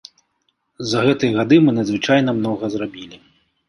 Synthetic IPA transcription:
zɐɣɛt̪ɨjɐɣad̪ɨmɨnɐd̪zvɨt͡ʂajnɐmnɔɣɐzrabʲilʲi

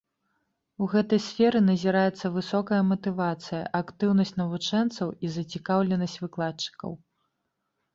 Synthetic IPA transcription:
uɣɛt̪ɐjsfʲɛɾɨnɐzʲiɾajɛt̪sːɐvɨsɔkɐjɐmɐt̪ɨvat̪sɨjɐ̰ʔakt̪ɨwnɐsʲt͡sʲnɐvut͡ʂɛnt̪sɐwizɐt͡sʲikawlʲɛnɐsʲt͡sʲvɨklˠatt͡ʂːɨ̥kɐ̰w

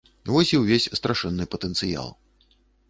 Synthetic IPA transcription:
vɔsʲiwvʲesʲst̪ɾʔaʂɛnːɨpɐt̪ənt̪sɨja̰lˠ

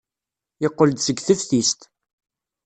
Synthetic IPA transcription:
ɪqːəld̪səɡθəfθist̪

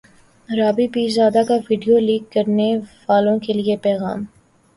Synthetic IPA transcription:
ɾaːbibiːzaːd̪akaʋiɖijoliːkːɐɾneʋaːlõkeliepɛːɣa̰ːm

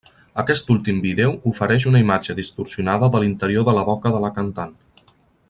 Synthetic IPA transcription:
əkɛst̪ulˠt̪imbiðɛwufəɾɛʃ̬unəimad͡ʒəðist̪uɾsiunaðəðəlint̪əɾioðələβɔkəðələkənt̪an

